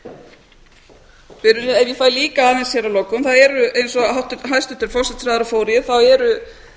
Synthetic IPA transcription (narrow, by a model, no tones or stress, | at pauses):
vɪɾʏnɛvjɛfaːjliːkaaːðensçɛɾawlɔkːʏmθaðɛɾʏejnsɔɦawht̪ɦajst̪ʏht̪ʏɾ̥fɔwsɛt̪sɾaːðɾafoːwɾɪɪθawɛɾʏ